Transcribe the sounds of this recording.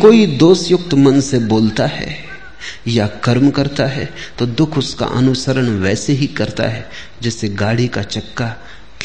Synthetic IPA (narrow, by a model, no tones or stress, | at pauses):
koːid̪oːsjʊk̚t̪mɐ̃nseboːlt̪aɦɛ̰ | jakɐɾmkɐɾt̪aɦɛ̰t̪od̪ʊkʰʊska̰ʔɐ̰nʊsəɾəɽ̃ʋɛːseɦikɐɾt̪a̰ɦɛ | d͡ʒɛːseɡaːɽikat͡ʃɐkːa | k